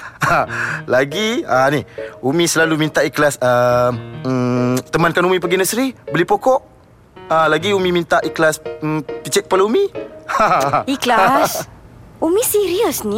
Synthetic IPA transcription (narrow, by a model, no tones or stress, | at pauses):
alaɡiənihumĩsəlalumint̪aʔiklasəm | t̪əmankanumĩp̬əɡinəsɾibəlipokɔʔ | alaɡiumĩmint̪aʔiklaspit͡ʃɛʔkːəpalaumĩaiklasumĩsiɾiəsni